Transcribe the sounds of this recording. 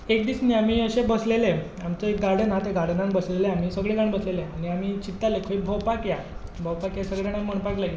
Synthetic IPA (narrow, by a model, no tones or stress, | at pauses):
ekd̪isniːamiːəɕẽbəslele | amt͡səek̚ɡaɾɽənat̪eɡaɾɽənanbəsleleam̤iːsəɡɭeɡaɳbəsleleaɽ̃iamit͡ɕit̪ːalekʰəibʱɔwpakjabʱɔwpakjasəɡɭaɳ̃aməɳpakla